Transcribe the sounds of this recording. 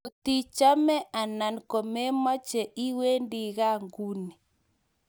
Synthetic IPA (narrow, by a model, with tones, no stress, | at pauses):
o˨ti˦t͡ʃa˦mɛ˦ʔa˨na˨nkɔ˨mɛ˦ma˦t͡ʃɛ˨ʔi˦we˦ndi˨ɣa˦ŋɡu˦ni˨